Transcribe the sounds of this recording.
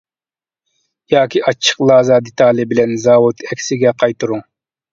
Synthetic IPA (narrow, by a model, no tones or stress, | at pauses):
jɑːkʲiʔɑt͡ʃʰːə̥qlˠɑːzɑd̪et̪ʰɑːlˠɨbɪlɛnzɑːwut̪ɛkʲsɪɡʲɛqʰɑjt̪ɨɾuŋ